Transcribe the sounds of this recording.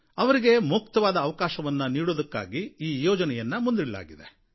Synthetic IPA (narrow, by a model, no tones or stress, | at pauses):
ɐʋɐɾiɡe̞mukt̪ɐʋaːd̪ɐːʋɐkaːʃɐʋɐnːɐniːɽoːd̪ɐkːa̰ːɡiiːjoːd͡ʒɐnɛjɐnːɐmund̪iɽɐla̰ːɡid̪e̞